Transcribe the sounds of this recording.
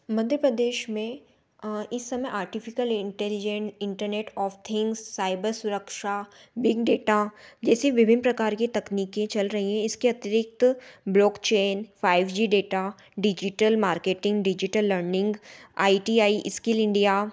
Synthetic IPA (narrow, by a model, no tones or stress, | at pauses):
mɐd̪ʱjəpɾəd̪eːʃmẽ | ɪsːɐməʔaːɾʈɪfʰɪkəlɪ̃ɳʈɛlid͡ʒə̃nɪ̃ɳʈəɾneːʈɔːfʰt̪ʰɪ̃ŋɡsːaːɪbəɾsʊɾəkʃa | bɪɡɖeːʈad͡ʒɛːseʋɪbʱɪnpɾɐkaːɾkit̪ɐkniːkẽt͡ʃɐlɾɐɦiɦɛ̃ɪskeɐt̪ɪɾɪk̚t̪blɔːkt͡ʃeːnfʰaːɪʋd͡ʒiɖeːʈa | ɖɪd͡ʒɪʈəlmaːɾkeːʈɪ̃ŋɡɖɪd͡ʒɪʈəlːəɾnɪ̃ŋɡaːiʈiːaːiʔɪskɪlɪ̃ɳɖijaː